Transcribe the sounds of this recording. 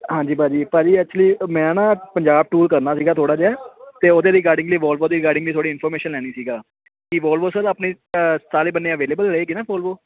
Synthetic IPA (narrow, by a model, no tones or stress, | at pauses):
ɦãːd͡ʒiːbãːd͡ʒiːpãːd͡ʒiːɛkːt͡ʃliːmɛ̃ːãːnãːpəɲd͡ʒaːb̚ʈuːɾkəɾnaːsiːɡaːt̪ʰoːɽaːd͡ʒɛːt̪eːod̪eːɾɪːkaːɾɖɪ̃ŋɡliːʋɔːlboːd̪iːɾɪkaːɖɪ̃ŋɡiːt̪ʰoːɽiːɪnpʰɔːɾmeːʃənlɛːɽ̃iːsiːɡaː | kiʋɔːlboːsəd̪əːpniː | saːleːbənːeːəʋeːleːbəlɾeeːkinãːbɔːlboː